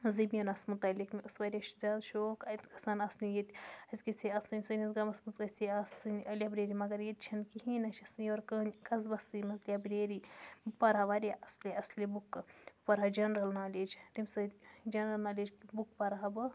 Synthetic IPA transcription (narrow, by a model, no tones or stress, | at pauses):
zibʲjɐnɐsmut̪ɐlʲːikmʲiʔusʋaːɾʲjaʃzʲaːd̪ʃoːkɐt̪ʲkɐ̥saːnɐsnijet̪ʲɐzʲkit͡sʰʲiɐsɐnʲsɨnʲizɡɐmɐsmuzɡɐt͡sʲiɐsɨnʲʔɐlʲabɾʲeːɾimɐɡɐɾjet̪̚ʲt͡ʃʰɐnkiɦinɐʃɐsjoːɾkənʲkɐzbɐsɨmɐzlʲijabɾeːɾipɐɾaːʋaɾʲjaʔɐslʲeɐslʲibukːpɐɾad͡ʒɐnɾɐlnaːlʲeːd͡ʒɾimsɐt̪ʲd͡ʒɐnɾɐlnaːlʲeːd͡ʒkbukpɐɾaɦbɨ